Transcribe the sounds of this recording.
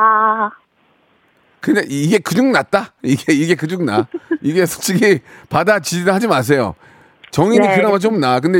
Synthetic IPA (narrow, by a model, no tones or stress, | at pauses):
a | kɯɲaʔiɡe̞kɯd͡ʑuŋnat̚t͈aiɡeiɡe̞kɯd͡ʑuŋnaiɡe̞sʰo̥k̚t͡ɕ͈ʰiɡipadat͡ɕid͡ʑidɯɭhad͡ʑimas̬ʰe̞jo̰ | t͡ɕʌŋiɲikɯnamat͡ɕomnak̬ɯnde